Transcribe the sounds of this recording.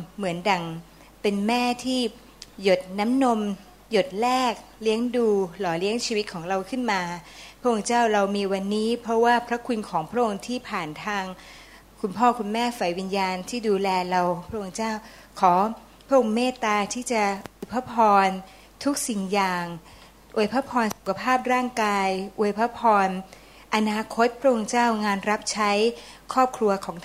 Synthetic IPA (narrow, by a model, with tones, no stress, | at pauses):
mɯ˩˦ənda˨˩ŋ | pe˧nmɛː˥˩t̪ʰiː˥˩ | jo˨˩t̪̚na˦˥mno˧m | jo˨˩t̪̚lɛː˥˩k̚li˦˥əŋduː˧lɔː˩˦li˦˥əŋt͡ɕʰiː˧wt̪̚kʰɔː˩˦ŋɾa˧wkʰɯ˥˩nmaː˧pʰɾa˥ʔo˧ŋt͡ɕaː˥˩wɾa˧wmiː˧wa˧nːiː˦˥pʰɾɔ˦˥waː˥˩pʰɾa˦˥kʰu˧nkʰɔː˩˦ŋpʰɾa˦˥ʔo˧ŋt̪ʰiː˥˩pʰaː˨˩nt̪ʰaː˧ŋ | kʰu˧npʰɔː˥˩kʰu˧nmɛː˥˩fa˨˩jwi˧njaː˧nt̪ʰiː˥˩duː˧lɛː˧ɾa˧wpʰɾa˦˥ʔo˧ŋt͡ɕaː˥˩w | kʰɔː˩˦ | pʰɾa˥ʔo˧ŋmeː˥˩t̪aː˧t̪ʰiː˥˩t͡ɕa˨˩ʔu˧˩˧jpʰa˦˥pʰɔː˧n | t̪ʰu˦˥k̚si˨˩ŋjaː˨˩ŋ | ʔu˧˩˨jpʰa˦˥pʰɔː˧nsu˨˩kʰa˧pʰaː˥˩p̚ɾaː˥˩ŋkaː˧jʔu˧˩əjpʰa˦˥pʰɔː˧n | ʔa˧naː˧kʰo˦˥t̪̚pʰɾa˦˥ʔo˧ŋt͡ɕaː˥˩wŋaː˧nɾa˦˥p̚t͡ɕʰa˦˥jkʰɔː˥˩p̚kʰɾu˧ɐkʰɔː˩˦ŋt̪ʰ